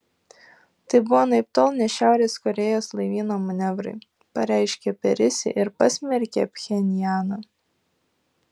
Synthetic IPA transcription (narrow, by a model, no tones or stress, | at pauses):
t̪ɐɪbʊʋoːnɐɪp̚t̪oːlˠnʲɛʃʲæˑʊɾʲeːskɔɾʲɛjoːslˠɐɪʋʲiːnoːmɐnʲɛʋɾɐ̰ɪ | pɐɾʲæˑɪʃʲkʲɛpʲɛɾʲɪsʲɪ̰ʔɪɾpɐsʲmʲɛɾʲkʲeɐpʲxʲɛnʲjæːnɐ